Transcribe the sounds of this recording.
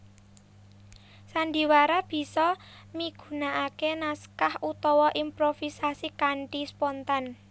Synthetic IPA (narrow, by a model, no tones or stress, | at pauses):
sanɖi̤waɾab̥i̤sɔ | miɡ̥ṳnaʔakenaskahut̪ɔwɔʔimpɾofisasikaɳɖispɔnt̪an